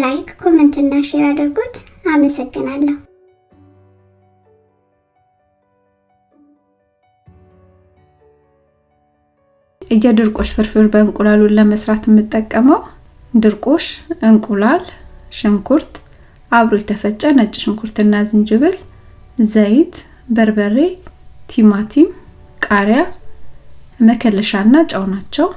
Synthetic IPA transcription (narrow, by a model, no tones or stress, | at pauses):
lajkkʰomɨnt̪ʰɨnːaʃeɾad̪əɾɡot̪aməsəɡːɨnalːəhu | ʔɨjɛd̪ɨɾkʼo̞ʃfɨɾfɨɾbəɨŋkʼulaluləməsɾat̪ʰjɛmːɨt̪ʼːəkʼːəməw | d̪ɨɾkʼo̞ʃʔɨŋkʼulalʃɨŋkʰuɾt̪ | ʔaβɾojɛt̪ʰəfət͡ʃʼːənət͡ʃʼːɪʃɨŋkʰuɾt̪ɨnːazɨnd͡ʒɨβɨl | zəjɪt̪ | bəɾbəret̪ʰimat̪ʰim | kʼaɾja | məkʰəlːəʃaɨnːat͡ʃʼəwnat͡ʃːɛw